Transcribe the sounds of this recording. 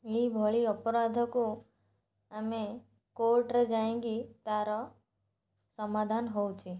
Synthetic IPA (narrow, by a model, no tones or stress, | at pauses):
ebʱɔɭiəpɾad̪ʱəkũ | ame | koɾʈɾed͡ʒaẽɡit̪aɾo | səmad̪ʱanɦowt͡ʃʰe